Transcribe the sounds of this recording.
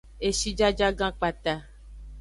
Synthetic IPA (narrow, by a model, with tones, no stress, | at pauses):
e˨ʃi˦d͡ʒa˦d͡ʒa˦ɡã˦k͡pa˨t̪a˦